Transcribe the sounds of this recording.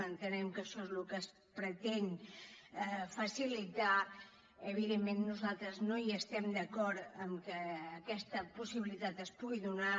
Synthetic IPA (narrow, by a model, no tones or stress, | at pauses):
ənt̪ənɛmkəʃɔezlukəs | pɾət̪ɛn | fəsilit̪a | əβ̞iðemːenːuzalˠt̪ɾəznoiəst̪ɛmd̪əkɔɾəmkəːkɛst̪əpusiβilit̪at̪əspuɣiðuna